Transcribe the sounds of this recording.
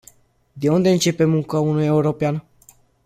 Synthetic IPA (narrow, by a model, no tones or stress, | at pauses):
d̪e̞und̪e̞ɨnt͡ʃe̞pe̞muŋkəunuje̞uɾo̞pean